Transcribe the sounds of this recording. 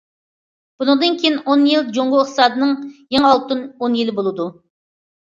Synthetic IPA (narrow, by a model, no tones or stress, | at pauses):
b̥unɨŋd̪ɨnkʲʰejɪnonjeld͡ʒoŋʁoɪχt̪ɨsɑːd̪ɨnɨŋjeŋɑlˠt̪ɨnonjelɪbolˠɨd̪u